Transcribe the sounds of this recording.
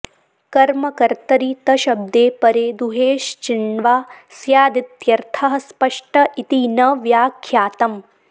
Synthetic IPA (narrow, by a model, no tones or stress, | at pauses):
kɐɾmɐkɐɾt̪ɐɾit̪ɐʃɐb̚d̪eːpɐɾeːd̪uɦeːʃt͡ʃiɳʋaːsjaːd̪it̪jɐɾt̪ʰɐɦɐ̆spɐʂʈɐʔit̪inɐʋjaːkʰjaːt̪ɐm